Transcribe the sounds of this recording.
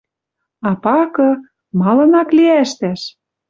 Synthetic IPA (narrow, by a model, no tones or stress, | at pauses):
ɑpɑkɤ̆ | mɑlɤ̆nɑkliæʃt̪æʃ